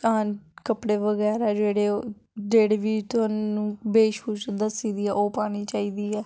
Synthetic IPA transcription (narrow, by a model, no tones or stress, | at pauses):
ãːkəpɽeːʋəɡɛːɾaːd͡ʒeːɽeːo | d͡ʒeːɽeːʋiːt̪ʊɦaːũːbeːʃkuːt͡ʃd̪əsiːd̪iːɛːʔoːpaːñiːt͡ʃaːiːd̪iːɛː